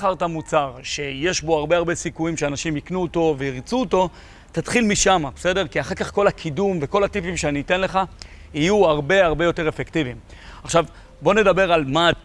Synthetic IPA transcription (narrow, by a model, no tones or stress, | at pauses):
χaʁt̪amut͡saʁʃe̞je̞ʃbo̞aʁbe̞aʁbe̞sikujimʃeanaʃimiknuoto̞veiʁt͡suoto̞ | tatχilmiʃamabe̥se̞de̞ʁkiaχaʁkaχko̞lakʰidumve̞ko̞latipimʃeaniːte̞nle̞χa | ijuaʁbe̞aʁbe̞jo̞te̞ʁefektivimaχʃav | bo̞ne̞dabe̞ʁalma